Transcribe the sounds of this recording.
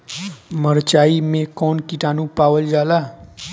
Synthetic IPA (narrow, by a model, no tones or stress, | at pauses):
məɾt͡ʃaːimẽkɔːnkiʈaːnũpaːʋəld͡ʒaːlaː